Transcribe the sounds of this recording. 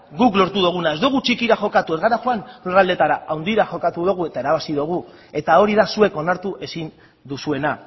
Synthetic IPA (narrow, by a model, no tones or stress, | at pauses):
ɡuklo̞ɾt̪uðuɣ̞unae̞zd̪uɣ̞ut͡ʃikiɾaxo̞kat̪ue̞zɣaɾaxoanurald̪e̞t̪aɾaawnd̪iɾaxo̞kat̪uðuɣ̞ue̞t̪ae̞ɾaβasiðuɣ̞u | e̞t̪ao̞ɾiðasue̞ko̞naɾt̪uʔe̞sin | d̪usue̞na